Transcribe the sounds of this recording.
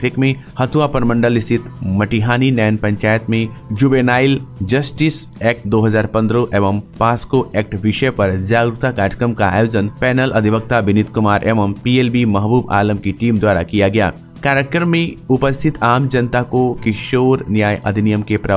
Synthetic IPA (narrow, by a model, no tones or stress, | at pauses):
ɾɪkmẽ | hɐt̪uʋapɾəmə̃ɳɖəlɪst̪ʰɪt̪mɐʈiɦaːninɛːnpɐ̃ɲt͡ʃaːjət̪mẽd͡ʒubeːnaːɪld͡ʒɐsʈis | ɛːk̚ʈ̚d̪oːɦɐzaːɾpɐ̃nd̪ɾoʔeːʋəmpaːskoʔɛːk̚ʈʋɪʃəpɐɾd͡ʒaːɡɾʊt̪akaːɾəkɾəmkaa̰ːjoːzənpɛːnəlʔɐd̪ʱibək̚t̪abɪnɪt̪kʊmaːɾʔeːʋəmpielbimɐɦbuːba̰ːləmkiʈiːmd̪waːɾa̰kijaɡɐja̰ː | kaːɾek̚ɾəmːẽʊpəst̪ʰɪt̪ʰaːmd͡ʒɐnt̪akokɪʃoːɾnjaːjʔɐ̰d̪ʱɪnijəmkepɾɐ